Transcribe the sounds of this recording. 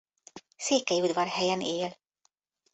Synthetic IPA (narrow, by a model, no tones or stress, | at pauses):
seːkɛjiud̪ʋɒrhɛjɛneːl